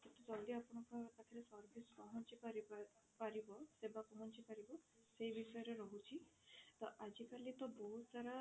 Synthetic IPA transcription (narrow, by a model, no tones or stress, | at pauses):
t̪et̪ud͡ʒɔliapɔɽ̃ɔkɔt̪ak̪ʰiɾesɔɾɡiskɔɦɔnt͡ʃipaɾi | paɾibɔsebakɔɦɔnt͡ʃipaɾibɔ | sejbisɔjɔɾeɾɔɦut͡ʃʰit̪ɔʔad͡ʒikalit̪ɔbɔɦut̪saɾa